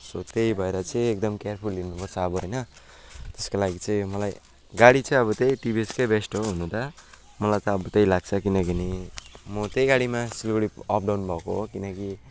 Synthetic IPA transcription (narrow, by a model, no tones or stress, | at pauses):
sot̪ejbʱʌeɾʌt͡sʌĩek̚d̪ʌmkearpʰulːirnupʌrt͡sʰʌːbʌɦʌjnʌ | t̪eskolaɡit͡sʌĩmʌlaj | ɡaɽit͡sʌ̃ĩʌβʌt̪ejʈibieskajbesʈoɦunũd̪ʌ | mʌlajt̪ʌːbʌt̪ejlaɡ̚t͡sʰʌkinʌkinimʌt̪ejɡaɽimasilɡoɽiʌp̚ʰɖawnbʱʌkoɦokinʌki